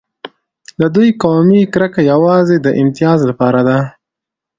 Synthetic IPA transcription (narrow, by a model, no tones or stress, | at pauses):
d̪əd̪ujkɑmikɾəkajawɑzed̪əʔɪmt̪ijɑzlapɑɾad̪a